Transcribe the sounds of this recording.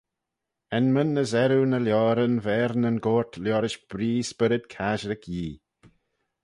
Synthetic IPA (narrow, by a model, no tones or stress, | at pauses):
ɛnmənːəzɛɾunəljɔːɾənvɛːɾnənɡoːɹt̪ʰljɔːɾɪʃb̥ɾiːspɪɾɪd̪kʰaːʒɾɪkʰjiː